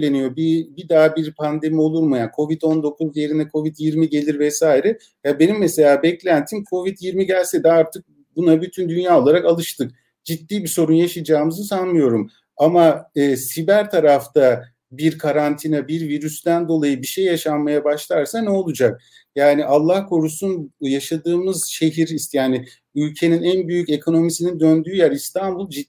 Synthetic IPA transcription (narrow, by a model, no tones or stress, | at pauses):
lʲe̞nijo̞bibid̪aːbiɾpʰand̪e̞mio̞lˠuɾmujakʰo̞vid̪o̞nd̪o̞kuzje̞ɾinɛkʰo̞vid̪jiɾmiɟe̞lʲiɾvɛsaːiɾɛ | jabe̞nimːɛse̞lʲaːbɛclʲænt̪ʰimkʰo̞vid̪jiɾmiɟælʲsɛd̪ɛaɾt̪ʰɯk̚ | bunabyt̪ʰynd̪ynjaːo̞lˠaɾakalˠɯʃt̪ʰɯk̚ | d͡ʒit̪ːiːbiso̞ɾunjaʃɯd͡ʒaːmɯzɯsanmɯjo̞ɾum | amaɯːsibæɾt̪ʰaɾaft̪ʰa | biɾkʰaɾant̪ʰinabiɾviɾysd̪ænd̪o̞lˠajɯbiʃejːaʃanmajabaʃlˠaɾsanɛo̞lˠud͡ʒak̚ | jaːniʔalˠːahkʰo̞ɾusunjaʃad̪ɯːmɯz̥ʃe̞ɦiɾist̪jaːnɪ | ylʲcʰe̞ninænbyjyce̞kʰo̞no̞misinind̪ønd̪yːjæɾist̪ʰanbulˠd͡ʒi